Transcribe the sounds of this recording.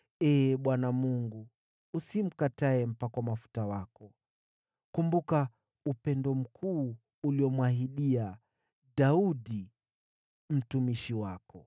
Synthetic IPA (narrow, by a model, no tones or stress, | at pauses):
ɛːɓwanamuŋɡuː | sim̩kataɛm̩pakwamafu̥tawakɔ | kumbuka | upɛndɔm̩kʰuː | liɔmwahiɗia | ɗauɗi | m̩tumiʃiwakɔ